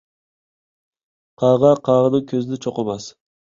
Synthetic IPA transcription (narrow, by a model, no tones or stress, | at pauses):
qʰɑːʁɑqʰɑʁənɨŋkʲʰøzɪnɪt͡ʃʰoqəmɑs